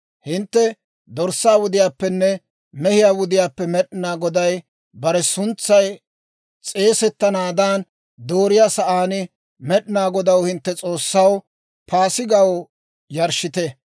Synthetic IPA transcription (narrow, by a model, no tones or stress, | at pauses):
hɪnt̪ːɛ | d̪ɔɾsːaːwʊd̪ɪjaːpːɛnːɛ | mɛhɪjaːwʊd̪ɪjaːpːɛmɛɗɪnaːɡɔd̪ɐj | bɐɾɛsʊnt͡sːɐj | t͡sʼe̞ːsɛt̪ːɐnaːd̪aːn | d̪oːɾɪjaːsɐʔaːnɪ | mɛɗɪnaːɡɔd̪ɐwhɪnt̪ːɛt͡sʼo̞ːsːɐw | pʰaːsɪɡɐw | jɐɾʃɪt̪ɛ